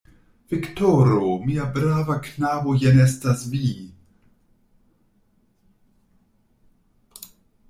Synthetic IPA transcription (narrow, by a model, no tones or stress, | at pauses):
v̥iktoɾomiabɾavaknaːvojenestasvi